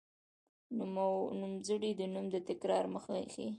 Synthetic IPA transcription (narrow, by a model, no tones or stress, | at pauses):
numzəɽid̪ənumd̪ət̪ɪkɾɑɾməxaxi